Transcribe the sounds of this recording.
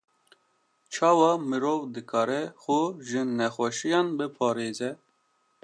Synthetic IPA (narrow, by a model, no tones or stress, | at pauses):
t͡ʃʰɑːwɑmɨɾovd̪ɨkʰɑːɾɛxʊʒɨnɛxʷɛʃijɑnbɨpʰɑːɾeːzɛ